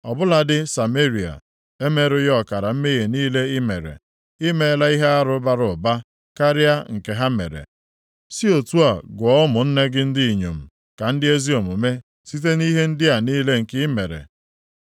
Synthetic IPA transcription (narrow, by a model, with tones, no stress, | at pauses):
ɔ˨bʊ˦la˨dɪ˦sa˨me˦ɾi˨a̰˨ | e˦me˦ɾʊ˦jɔ˨ka˨ɾa˨m̩˦me˦je˨niː˦le˦ɪ˦me˨ɾḛ˨ | i˦me˦la˦i˦ɦe˦a˦ɾʊ˦ba˦ɾʊ˨ba˦ | ka˦ɾɪ˦a˦ŋ̩˨ke˨ɦa˦mḛ˨ɾḛ˨ | si˦o˨tu˦a˨ɡʷɔ˨˦ʊ˦mʊ˨n̩˦ne˦ɡɪ˦n̩˦dɪ˦i˨ɲo̰˨m̩˨ | ka˨n̩˦dɪ˦e˦zi˦o˨mʊ˨me˦ | si˦t̬e˦ni˦ɦe˦n̩˦dɪ˦a˨niː˦le˦ŋ̩˨kɪ˦me˨ɾḛ˨